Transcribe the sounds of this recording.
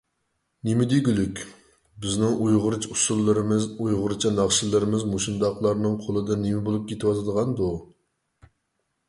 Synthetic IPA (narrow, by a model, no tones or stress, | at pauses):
nemɪd̪iɡʲylykʲ | bɪznɪŋujʁʊɾɨt͡ʃʰusulˠːɨɾɨmɪzujʁʊɾɨt͡ʃʰɑnɑχʃɪlˠɨɾɪmɪzmoʃind̪ɑqlˠɑɾnɨŋqʰolˠɨd̪ɨnemɪbolˠup̚kʲʰet̪ʰɪwɑt̪ʰɨd̪əʁɑnd̪u